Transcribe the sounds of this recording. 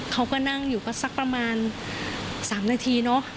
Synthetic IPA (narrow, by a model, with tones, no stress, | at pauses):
kʰa˦˥wkɔː˥˩na˥˩ŋjuː˨˩kɔ˥˩sa˦˩k̚pɾa˧maː˧n | saː˩˦mnaː˧t̪ʰiː˧nɔ˦˥